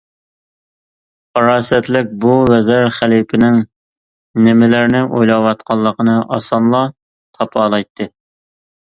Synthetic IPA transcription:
qɑɾɑːsɛt̪lɪk̚ʲbuwɛzɪɾχælipʰɪnɪŋ | nɪmɪlɪɾnɪʔojlˠɑwɑt̪̚qʰɑlˠːəqənɨʔɑ̰sɑnlˠɑ | t̪ʰɑpʰɑːlˠɑjt̪ʰːɨ

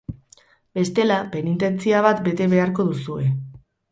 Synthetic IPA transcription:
be̞st̪e̞lape̞nit̪e̞nt͡siaβ̞at̪be̞t̪e̞βe̞aɾko̞ðusue̞

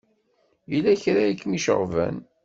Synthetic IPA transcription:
jəlːæçɾæjəkːmiʃə̰ʁvæ̰n

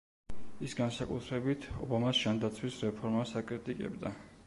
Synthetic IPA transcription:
isɡansakʼut̪ʰɾɛbit̪ʰɔ̰bamasʒ̥and̪at̪sʰwisɾɛpʰɔɾmasakʼɾit̪ʼikʼɛ̰bd̪a

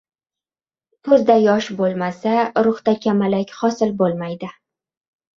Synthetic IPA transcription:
pʰɵzd̪ajɒʃbolˠmasaɾʊχt̪akʲʰamalakʲχɒsɪlbolˠmajd̪ɪ

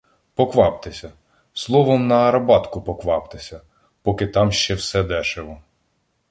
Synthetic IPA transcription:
pɔkʋɑpt̪ɪsʲɐ | slˠɔʋɔmnɐɐɾɐbɑt̪kʊpɔkʋɑpt̪ɪsʲɐ | pɔkɪt̪ɑmʃt͡ʃɛwsɛd̪ɛʃɪlˠɔ

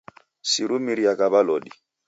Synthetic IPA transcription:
siɾumiɾiakʼabalɔːdi

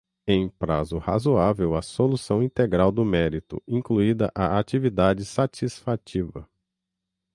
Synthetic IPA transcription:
ẽj̃pɾa̰zʊha̰zuavewɐsolusɐ̃w̃ĩt̪eɡɾawd̪ʊmɛɾit̪ʊ̰ĩŋkluid̪ɐʔaat͡ʃivid̪ad͡ʒɪsat͡ʃisfat͡ʃivɐ̰

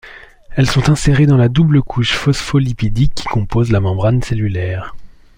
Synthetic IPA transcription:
ɛlsɔ̃t̪ɛ̃seʁed̪ɑ̃lad̪ubləkʰuʃfɔsfɔlipid̪ikʲːi̥kɔ̃pozlamɑ̃bʁanselylɛːʁ

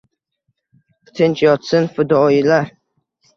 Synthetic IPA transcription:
t̪ʰɨnt͡ʃʰʼjɒt̪sɨnfɨd̪ɔjilaɾ

